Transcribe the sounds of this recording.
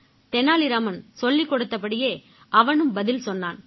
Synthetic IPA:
t̪ɛnːaːlɪɾaːmɐnsɔlːɪkːɔɽɯt̪ːɐpːɐɽɪjeː | ʔɐʋɐnɯmbɐðɪlsɔnːaːn

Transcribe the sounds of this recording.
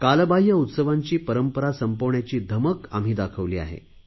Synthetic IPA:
kalbaɦjəut̪səʋaɲt͡ɕiːpəɾəmpəɾasəmpoʋɳjat͡ɕiːd̪ʱəməka̰m̤iːd̪akʰəʋliːa̰ɦḛ

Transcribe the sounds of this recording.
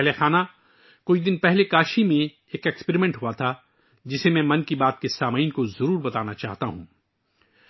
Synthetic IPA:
ɦlexaːna | kʊid̪ɪnpɛɦlekaːʃimẽ | eːkɛkspeɾimɛ̃ɳʈɦʊat̪ʰa | d͡ʒɪsemɛ̃ːmɐ̃nkibaːt̪kesaːmiːnkozɐɾuːɾbɐt̪aːnat͡ʃa̰ːɦt̪aɦṵ̃ː

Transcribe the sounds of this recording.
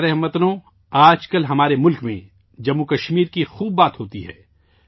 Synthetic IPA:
ɾɛɦmət̪nõ | aːd͡ʒkɐlɦɐmaːɾemʊlkmḛ̃ | d͡ʒɐmːukɐʃmiːɾkixuːbːaːt̪ɦoːt̪iɦɛ̰ː

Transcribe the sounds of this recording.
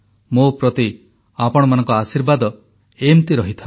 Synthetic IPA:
mupɾɔt̪i | apɔɽ̃ɔmanɔŋkɔasiɾbad̪ɔ | emt̪iɾɔɦit̪ʰa

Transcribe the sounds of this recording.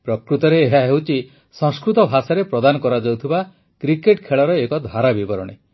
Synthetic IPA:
pɾɔkɾut̪ɔɾeːɦaɦewt͡ʃʰi | sɔ̃ŋskɾut̪ɔbʱasaɾepɾɔd̪anɔkɔɾad͡ʒɔwt̪ʰiba | kɾikeʈkʰeɭɔɾɔekɔd̪ʱaɾabibɔɾɔɽ̃ḛ

